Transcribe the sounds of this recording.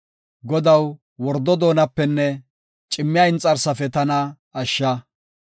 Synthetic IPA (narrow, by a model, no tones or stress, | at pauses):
ɡɔd̪ɐw | wɔɾd̪ɔd̪o̞ːnɐpːɛnːɛ | t͡ʃʼɪmːɪjaɪnt͡sʼɐɾsɐfɛt̪ɐnɐː | ʃːɐ